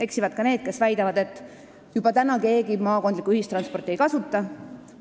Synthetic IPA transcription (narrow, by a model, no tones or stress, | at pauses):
e̞ksivɑd̪̥̚kɑne̞ːd̪̥̚ke̞svæjd̪ɑvɑd̪̥e̞t̪ːˑ | jub̥ɑt̪ænɑke̞ːɡimɑːko̞nd̪likuyhist̪rɑnspo̞rt̪ːˑiejkɑsut̪ˑːɑ